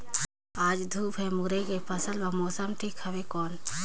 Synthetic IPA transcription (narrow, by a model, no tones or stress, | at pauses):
aːd͡ʒd̪ʱuːpʰɛmuɾekepʰəsəlbɐmoːsəmʈʰikhɐbekoːn